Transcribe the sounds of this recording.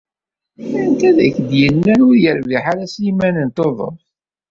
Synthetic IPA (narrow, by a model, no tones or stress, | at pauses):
æɾənt̪æðækːd̪jənːæɾʊɾjəɾviħaɾæsjimænənt̪oðˤo̰